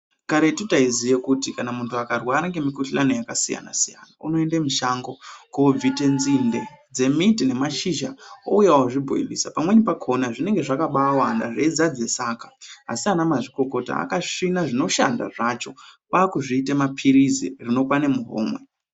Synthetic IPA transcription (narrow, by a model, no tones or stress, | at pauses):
kaɾetutaizijekutikanamuntuakarwaːɾeŋɡe̞mikuɬlanojakasija̰na̰sija̰nauno̞endemiʃaŋɡokob͡vite̞nzinde̞d͡ze̞mitine̞maʃiʒao̰ujawoʐibʱo̰ḭlisapamwe̞nipakʰo̞naʐine̞ŋɡe̞ʐakaɓawanda̰ʐed͡zad͡ze̞saːkaa̰sianamaʐiko̞ko̞ta̰a̰kaʂinaʐino̞ʃa̰nda̰ʐat͡ʃo̞paːkuʐiːtemapʰiɾizḭrino̞pwanemuɦo̰ːmwe